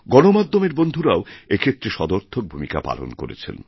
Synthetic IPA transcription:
ɡɔnomad̪ʱːomeɾbond̪ʱuɾaoekʰet̪ːɾeʃɔd̪oɾt̪ʰok̚bʱumika̰pa̰lo̰nko̰ɾḛt͡ɕʰḛn

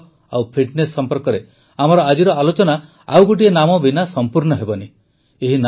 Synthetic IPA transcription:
awpʰiʈnesːɔmpɔɾkɔɾe | am̤ɔɾɔad͡ʒiɾɔalot͡ʃɔna | a̰wɡoʈ̬ienamɔbinasɔmpuɾɳɔɦebɔni | eɦin

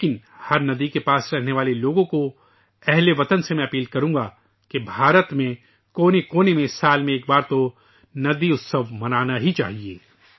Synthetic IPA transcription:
eːkɪnhɐɾnɐd̪ikepaːsɾɛɦneʋaːleloːɡõko | ɛɦleʋɐt̪ənsemɛ̃ɐpiːlkɐɾũːɡa | kebʱaːɾət̪mẽ | koːnekoːnemẽsaːlmẽeːk̚baːɾt̪o | nɐd̪iʊt̪səʋmɐnaːnaɦit͡ʃa̰ːɦieː

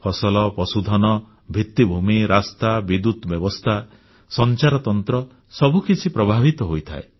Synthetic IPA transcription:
pʰɔsɔlɔpɔsud̪ʱɔnɔ | bʱit̪ːibʱumiɾast̪abid̪ut̪bjɔbɔst̪ʰa | sɔnt͡ʃaɾɔt̪ɔnt̪ɾɔ | sɔbʱukit͡ʃʰipɾɔbʱabʱit̪ɔɦojt̪ʰa̰e

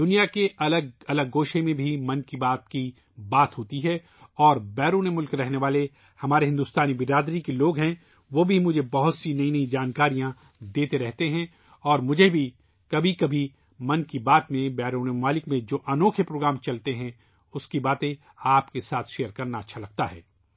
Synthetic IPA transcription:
d̪ʊnijakeʔɐləɡɐləɡːoːʃẽmẽbʱimɐ̃nkibaːt̪ki | baːt̪ɦoːt̪iɦɛː | ɔːɾbɛːɾuːnemʊlkɾɛɦneʋaːle | hɐmaːɾeɦɪ̃nd̪uːst̪aːnibɪɾaːd̪ɾikeloːɡɦɛ̃ | ʋobʱimʊd͡ʒʱebɐɦʊt̪sinɐĩnɐĩd͡ʒaːnkaːɾijã | d̪eːt̪eɾɛɦt̪eɦɛ̃ | ɔːɾmʊd͡ʒʱebʱi | kɐbʱikɐbʱi | mɐ̃nkibaːt̪mẽbɛːɾuːnemmaːlɪkmẽd͡ʒoːʔɐnoːkʰepɾoːɡɾaːmt͡ʃɐlt̪eɦɛ̃ | ʊskibaːt̪ẽ | aːpkesaːt̪ʰʃeːjəɾkɐɾnaɐtːʃʰalɐɡ̚t̪aɦɛ̰ː

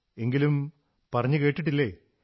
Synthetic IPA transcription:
e̞ŋɡilum | pɐrɐɲːɨke̞ːʈːiʈ̬ːilːeː

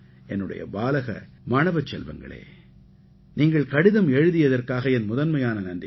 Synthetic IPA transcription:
ɛnːɯɽɐ̰jɐ̰baːlɐɣɐ̰ | maːɳɐʋɐt͡ʃːɛlʋɐ̰ŋɡɐ̰ɭḛː | niːŋɡɐɭkɐɽɪðɐmɛɻɯðɪjɐðɐrkaːɣɐɛnmʊðɐnmɐjaːnɐnɐndɪ

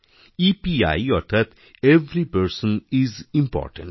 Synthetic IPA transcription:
ipia̰jɔɾt̪ʰat̪ | eʋɾipəɾsə̃nizĩmpɔ̰ːɾʈə̃ɳʈ

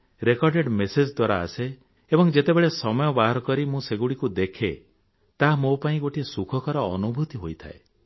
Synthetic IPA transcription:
ɾekɔɾɖeɖmesed͡ʒd̪waɾa̰ːseː | bɔŋd͡ʒet̪ebeɭesɔmɔjɔbaɦɔɾɔkɔɾimũseɡuɽikud̪ekʰe | t̪aɦmopaĩɡoʈʰiesukʰɔkɔɾɔ̰ːnubʱut̪iɦojt̪ʰa̰ḛ

